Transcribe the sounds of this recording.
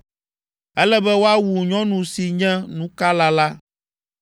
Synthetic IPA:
ɛ˦lɛ˦bɛ˦wo˦a˦wu˨ɲɔ̃˦nũ˨si˨ɲɛ̃˦nũ˦ka˦la˦la˦

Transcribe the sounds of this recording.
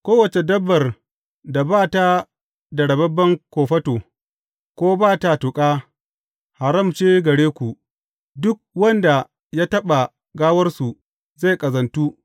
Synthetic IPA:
kʷoː˦wɐ˨t͡ʃe˨dɐ˦bːɐ˨r | da˨baː˦˨ta˦ | dɐ˨ɽɐ˨bɐ˦bːɐ˦ŋkʷoː˨ɸɐ˦toː˨ | kʷoː˦baː˦˨ta˨tʊ˨kʼaː˦ | ha˨ɾɐ˦˨mt͡ʃeː˦ɡɐ˨ɽeː˦kʷu˨ | dʊ˦k̚wɐ˦nda˨ | jaː˦tɐ˦ɓa˨ | ɡaː˦wɐ˦rsu˨ | za˦˨jkʼɐ˨zɐ˨ntu˦

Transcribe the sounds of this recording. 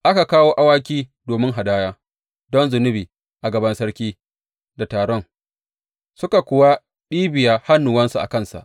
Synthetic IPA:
ʔa˦ka˨kaː˦woː˦ʔa˦waː˦k̬ʲiː˦doː˨mɪ˦ŋɦa˨daː˦jaː˦ | dɔ˦nzʊ˨nʊ˦biː˨ | ʔa˨ɡɐ˨bɐ˦nsɐ˦ɽkʲiː˦ | da˨taː˨ɽɔ˦ŋ | sʊ˦ka˨kʷʊ˨wa˦ | ɗiː˦bɪ˨jaː˦ha˦nːʊ˨wɐ˦nsu˨ʔa̰˨kɐ˦˨nsa̰˨ʔ

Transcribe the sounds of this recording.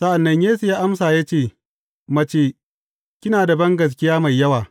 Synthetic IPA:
sɐ˦ʔa˨nːɐ˦ɲjeː˦sʊ˨jaː˦ʔa˦msaː˨jaː˦t͡ʃeː˦˨ | mɐ˦t͡ʃeː˦ | kʲɪ˦naː˨da˨bɐ˦ŋɡɐ˨s̬kʲɪ˦jaː˦ma˨jːɐ˦waː˨

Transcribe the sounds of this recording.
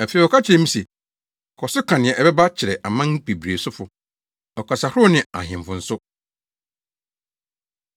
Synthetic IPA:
æ˨fi˨ɔ˨kʰa˦t͡ɕʰɪ˨ɾɛ˨˦m̩̃˦sɛ˨ | kʰɔ˨sʊ˦kʰã˨nɪ̃˨ɛ̃˨ʔɛ˨bɛ˦ba˦t͡ɕʰɪ˨ɾɛ˨ʔa˨mã˦ŋ˦pʰe˨bɾe˨sʊ˦fʊ˨ | ɔ˨kʰa˨sa˨hʊ˦ʊ˦nɪ̃˨a̰˨hɪ̃˨m˨fʊ̃˨n̩˦sʊ˦

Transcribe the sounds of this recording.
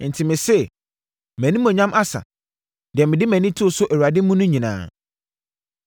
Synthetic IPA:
n̩˨tʰi˨mɪ̃˨sɛ˦˨ | mæ̃˨nĩ˦mʊ̃˨ɲã˦mʔa˦sa̰˨ | d̥i˨ɛ˨mɪ̃˨dɪ˦mæ̃˨nĩ˦tʰu˦o˨sʊ˦ʔæ˨u˨a˨dɪ˦mũ˦nʊ̃˦ɲĩ˨nã̰ː˨

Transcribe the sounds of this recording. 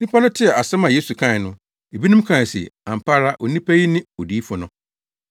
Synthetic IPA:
nĩ˦pʰa˦nʊ̃˦tʰɪ˦ɛ˨a˨sɛ˦mã˨je˦su˨kʰã˦˨nʊ̃˦ | e˨bi˦nʊ̃˦m˦kʰã˨sḭ˨ã˨m̩˨pʰa˦ɾa˦ʔɔ˨nĩ˦pʰa˦ji˦nɪ̃˦o˨di˦fʊ˨nʊ̃˦

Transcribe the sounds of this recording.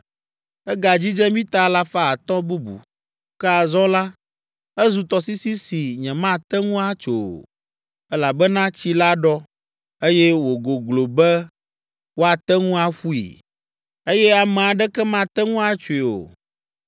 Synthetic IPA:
ɛ˦ɡa˨d͡ʑi˦d͡ʒɛ˦mĩ˦t̪a˦la˦fa˦a˨t̪ɔ̃˦bu˦bṵ˨ | kɛ˦a˨zɔ̃˦la˦ | ɛ˦zu˨t̪ɔ˨si˦si˦si˨ɲɛ̃˨mã˦˨t̪ɛ˦ŋũ˦a˦t͡ʃo˨o̰˨ | ɛ˦la˨bɛ˦nã˦t͡ɕi˦la˦ɖɔ˦ | e˦jɛ˦wo˨ɡo˨ɡlo˨bɛ˦ | wo˦a˨t̪ɛ˦ŋũ˦a˦ɸu˦ḭ˨ | e˦jɛ˦a˨mɛ̃˨a˨ɖɛ˦kɛ˦mã˦t̪ɛ˦ŋũ˦a˦t͡ʃo˨i˨o̰˨

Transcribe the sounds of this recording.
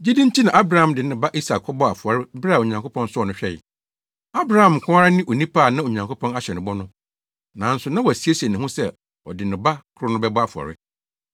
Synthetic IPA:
d͡ʑi˦dĩ˦n˦tʰi˦nã˨ʔa˦bɾa˨hã˨mdɪ˨nɪ̃˨ba˦ʔi˦sa˨kʰːɔ˦bɔ˦a˨fu˨a˨ɾɪ˦bɾa˨o˨ɲã˨ŋkʰo˦pʰɔ̃˦n˦sʊ˦ɔ˨nʊ̃˦ɕᶣɛ˦jɪ̰˨ | a˦bɾa˦˨hã˨m˨kʰʊ̃˦a˦ɾa˦nɪ̃˦ʔo˨nĩ˦pʰaː˦˨nã˦o˨ɲã˨ŋko˦pʰɔ̃˦na˦ɕɛ˨nɪ̃˨bɔ˦nʊ̃˦ | nã˨˦n̩˦sʊ˨nã˦wɔ˨æ˨si˦e˦se˨nɪ̃˨ɦʊ̃˦sɛ˦˨ | ɔ̰˨dɪ˨nɪ̃˨ba˦kʰʊ˦ɾʊ˦nʊ̃˦bɛ˦bɔ˦a˨fu˨ɔ̰˨ɾɪ˦

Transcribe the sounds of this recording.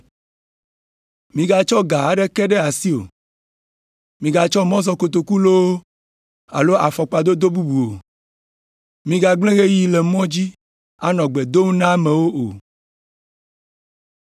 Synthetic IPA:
mĩ˨ɡa˨t͡ʃɔ˦ɡa˨a˦ɖɛ˦kɛ˦ɖɛ˦a˨si˦o̰˨ | mĩ˨ɡa˨t͡ʃɔ˦mɔ̃˦zɔ˨ko˨t̪o˨ku˦lo˦wo˦ | a̰˨lo˦ʔa˨fɔ˨k͡pa˨d̪o˦d̪o˦bu˦bu˨o˨ | mĩ˨ɡa˨ɡ͡blẽ˦ɣe˦ji˨lɛ˨mɔ̃˦d͡ʑi˦ | a˦nɔ̃˨ɡ͡be˨d̪o˦ŋ˦nã˦mẽ˨wo˦o˨

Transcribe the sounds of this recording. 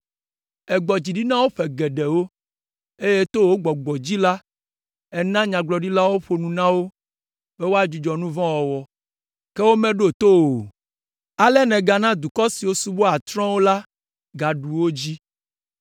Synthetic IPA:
ɛ˨ɡ͡bɔ˨d͡ʑi˨ɖi˦nã˦wo˦ɸɛ˨ɡɛ˨ɖɛ˨wo˦ | e˦je˦t̪o˦wo˦ɡ͡bɔ˨ɡ͡bɔ˨d͡ʑi˦la˦ | ɛ˨nã˦ɲã˨ɡ͡blɔ˨ɖi˦la˦wo˦ɸo˨nũ˨nã˦wo˦ | be˦wo˦a˦˨d͡ʒi˨d͡ʒɔ˨nũ˦vɔ̃˦wɔ˨wɔ˨ | ke˦wo˦mɛ̃˦ɖo˦˨t̪o˦wo˨ | a˨lɛ˦nɛ̃˨ɡa˨nã˦d̪u˨kɔ˦si˨wo˦su˦bo˦a˨t̪ɾɔ̃˦wo˦la˦ | ɡa˨ɖu˨wo˦d͡ʑi˦

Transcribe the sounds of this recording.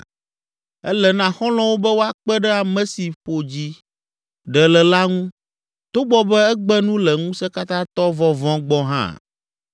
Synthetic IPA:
ɛ̰˦lɛ˨nã˦xɔ̃˦lɔ̃˦wo˦bɛ˦wo˦a˦k͡pɛ˦ɖɛ˦a˨mɛ̃˨si˨ɸo˨d͡ʑi˦ | ɖɛ˨lɛ˨la˦ŋũ˦ | t̪o˦bɔ˦bɛ˦ɛ˦ɡ͡bɛ˦nũ˦lɛ˨ŋũ˦sɛ˦ka˦t̪ã˦t̪ɔ˦vɔ˦vɔ̃˦ɡ͡bɔ̃˦ɦã̰˦

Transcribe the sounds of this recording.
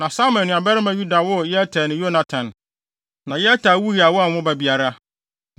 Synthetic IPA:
nã˨sa˦mɛ̃˨nɪ̃˨ã˨bɛ˦ɾɪ˦mã˦ju˦da˨wɔ˦˨jɛ˦tʰa˨nɪ̃˨jo˦nã˨tʰã˨n | nã˨jɛ˦tʰa˨˦wu˦ɾi˨a˨wɔ˦a˨wʊ̃˦bæ˨bi˨a˨ɾa˦˨

